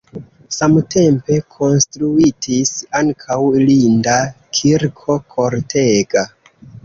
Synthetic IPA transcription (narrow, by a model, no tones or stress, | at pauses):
samte̞mpe̞kʰo̞nstɾuitʰisaŋkʰawlindakʰiɾkʰo̞kʰo̞ɾtʰeɡ̥a